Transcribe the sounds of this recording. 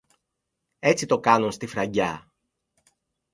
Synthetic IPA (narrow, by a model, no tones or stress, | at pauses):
e̞t͡sit̪o̞kɐnunst̪ifɾɐɟɐ